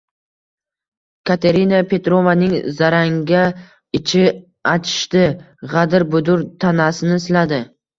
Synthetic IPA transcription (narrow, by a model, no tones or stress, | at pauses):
kʰat̪ʰeɾinapʰe̞t̪ɾo̞vanɪŋzaɾaŋɡʲa | ɪt͡ʃʰɪ | at͡ʃʰɪ̥ʃt̪ɪ | ʁad̪ɪɾbʊd̪ʊɾt̪ʰanasɪnɪɪslad̪ɪ